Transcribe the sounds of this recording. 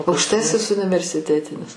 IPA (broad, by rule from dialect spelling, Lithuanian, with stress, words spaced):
ɐʊkʃˈtɑːsʲɪs ʊnʲɪʋʲɛrʲsʲɪˈtʲæːtʲɪnʲɪs